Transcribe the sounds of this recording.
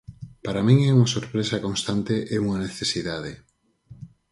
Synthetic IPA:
paɾamĩŋɛuŋasoɾpɾesakonst̪ant̪eʔeuŋaneθesiðaðe

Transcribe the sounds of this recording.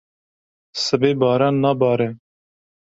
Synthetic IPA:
sɨbeːbɑːɾɑːnːɑːbɑːɾɛ

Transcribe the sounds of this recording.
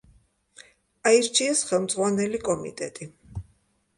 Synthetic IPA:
aiɾt͡ʃʰiɛsχɛlˠmd̪zʁwanɛlikʼɔmḭt̪ʼɛt̪ʼi

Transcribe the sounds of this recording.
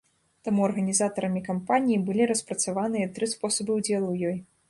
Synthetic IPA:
t̪amuɐrɣɐnʲizat̪ɐɾɐmʲikampanʲijibɨlʲiɾɐspɾɐt̪savanɨjɐt̪ɾɨspɔsɐbɨwd͡zʲɛlˠuwjɔj

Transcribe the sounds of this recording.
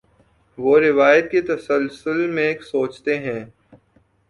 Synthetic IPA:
ʋoːɾɪʋaːjət̪̚ket̪ɐsəlsəlmẽksoːt͡ʃt̪eɦɛ̃ː

